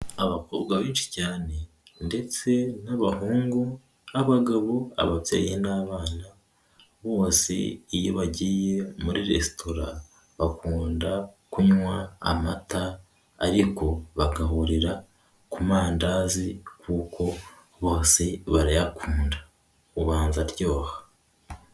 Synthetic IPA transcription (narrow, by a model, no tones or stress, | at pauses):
aβakoːbɡaβiːnʃi̥caːne̞ | nde̞t͡se̞naβahuːŋɡu | aβaɡaβoa̰βapḛːjenaβaːna | βo̞ːsḛijoβaɟiːje̞muɾiɾe̞̰stʰo̞ɾa | βakuːnda | kuɲwa̰ːmata̰ː | ɾiko̞βaɡaɦuɾiɾa | kumaːndazikuːkʰo̞ | βo̞ːseβaɾajakuːnda | uβaːnzaɾɟo̞ːhḁ